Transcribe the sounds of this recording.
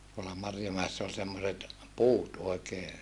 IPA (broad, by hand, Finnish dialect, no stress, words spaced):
tuolːɑ mɑrjomæesːæ ol semːoset puːt oekeː